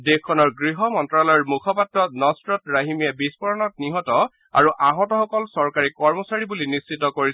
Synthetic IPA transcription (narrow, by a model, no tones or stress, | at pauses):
dekkːɔnɔɹɡɹiɦɔmɔntɹalɔjɔɹmukʰɔpatɹɔnɔstɹɔtɹaɦimijabispɔɹɔnɔtniɦɔtɔ | a̰ɹuʔaɦɔtɔxɔkɔlsɔɹkaɹikɔɹmɔsaɹibulinisːitɔkoɹis